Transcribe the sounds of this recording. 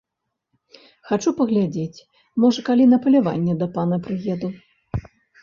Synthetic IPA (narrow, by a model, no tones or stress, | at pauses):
xat͡ʂupɐɣlʲad͡zʲet͡sʲ | mɔʐɐkalʲinɐpɐlʲava̰nʲːɛd̪ɐpanɐpɾɨɣʲɛd̪u